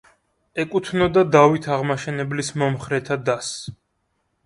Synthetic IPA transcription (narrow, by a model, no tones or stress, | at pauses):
ɛkʼut̪ʰnɔd̪ad̪avit̪ʰaʁmaʃɛnɛblismɔmχɾɛt̪ʰad̪as